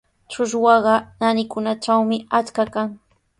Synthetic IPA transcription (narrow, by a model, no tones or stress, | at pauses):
t͡ʃʊʃwɑɢɑnanɪkʊnat͡ʃawmɪat͡ʃkakaŋ